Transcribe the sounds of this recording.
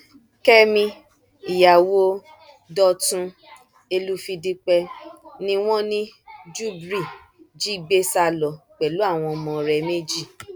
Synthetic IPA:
kɛ˦mĩ˧ | i˨ja˨wo˦ | dɔ˧tũ˧ | e˧lu˦fi˧di˧k͡pɛ˧nĩ˧w̃ɔ̃˦nĩ˦d͡ʒu˦bɾi˦˨ | d͡ʒi˦˨ɡ͡be˦sa˧lɔ˨k͡pɛ˨lu˨˦a˦˨w̃ɔ̃˧mɔ̃˧ɾɛ˧me˦d͡ʒi˦˨

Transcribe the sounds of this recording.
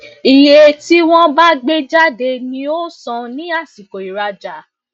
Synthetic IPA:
i˨je˨˧˨ti˦w̃ɔ̃˦ba˦ɡ͡be˦d͡ʒa˦de˧nĩ˧o˦sɔ̃˧nĩ˦a˦˨si˨ko˨i˨ɾa˧d͡ʒa˨

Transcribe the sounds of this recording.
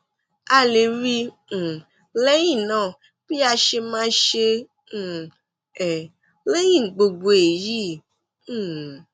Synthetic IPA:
a˨le˨ɾĩ˦˨ | le˦jĩ˦˨nã˦˨ | b̥i˦a˧ʃe˧mã˦ʃẽ˧˨ | ɛ˨ | le˦jĩ˦˨ɡ͡bo˨ɡ͡bo˨e˨jĩ˦˨˦

